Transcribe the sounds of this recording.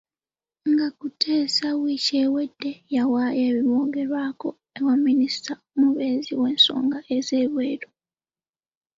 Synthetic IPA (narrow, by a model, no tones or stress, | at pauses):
ŋɡakutʰe̞ːsawiːce̞ːwe̞dːe̞jawajeːβimoːɡe̞ɾwaːko̞ | ewamːinistaomuβe̞ːziwe̞ːnso̞̰ːŋɡaʔe̞ze̞ːβwe̞ːɾo